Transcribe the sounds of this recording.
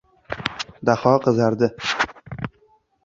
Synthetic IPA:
d̪aχɒqʰɨzaɾd̪ɪ

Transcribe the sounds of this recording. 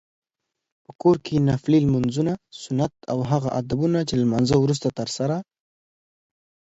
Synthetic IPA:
pəkoɾkʰenaflilmʊnzunasʊnat̪a̰wɦaɣaʔad̪abunat͡ʃelamanzəwɾus̬t̪at̪əɾsaɾa

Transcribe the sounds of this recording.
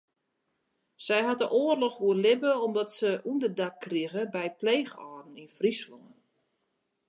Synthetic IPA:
sɛjɦat̚dəʔoːərlɔxʋuərlɪbəɔmdɔtsəʔundədakːriəɣəbɛjpleːxɔːdn̩infrislɔŋən

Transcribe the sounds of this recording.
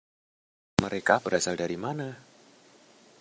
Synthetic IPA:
məɾekabəɾasaldaɾimana

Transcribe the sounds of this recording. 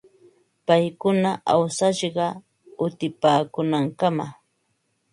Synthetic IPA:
pajkʊnaʔawsaʃɢɑ | ʊt̪ɪpaːkʊnaŋkama

